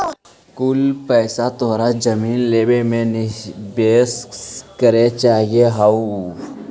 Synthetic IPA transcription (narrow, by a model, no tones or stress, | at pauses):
kʊlpɛːsat̪oːɾad͡ʒəmiːnleːbemẽnɪbeːskəɾet͡ʃaːɦieɦau